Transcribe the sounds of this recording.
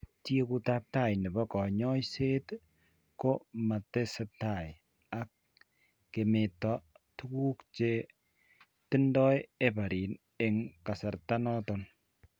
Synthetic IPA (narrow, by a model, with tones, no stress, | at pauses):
tje˦ku˦ta˦p̚ta˦˨jnɪ˨bɔ˦kɔ˨ɲɔ˦jse˦t | ko˦ma˨te˦sɛ˨ta˨j | a˨˦k̚ː | e˨me˨tɔ˦ | tu˦ku˦kt͡ʃe˦ | tɪ˦ndɔ˦je˦pa˨ɾi˨n | e˦ŋka˨sa˨ɾta˦nɔ˦tɔn